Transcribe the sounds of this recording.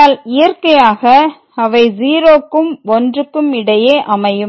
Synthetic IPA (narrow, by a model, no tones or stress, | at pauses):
aːlɪjɐɾkɐjaːɣɐ | ɐʋɐɪziːɾoːkːɯmɔndrɯkːɯmɪɽɐjeːʔɐmɐjɯ